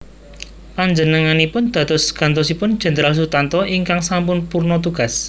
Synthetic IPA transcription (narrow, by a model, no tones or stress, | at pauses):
paɲd͡ʒənəŋanipʊnd̪̥ä̤t̪ɔsɡ̥a̤nt̪ɔsipʊnd̥d͡ʒ̥ə̤nd̪əɾals̬ut̪ant̪ɔʔiŋkaŋsampʊnpurnɔt̪uɡ̥a̤s